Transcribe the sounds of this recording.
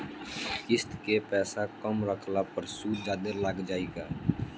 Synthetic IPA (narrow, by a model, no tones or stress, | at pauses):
kɪst̪kepɛːsakəmɾəkʰlapəɾsuːd͡ʒaːd̪əlaːɡd͡ʒaːeɡaː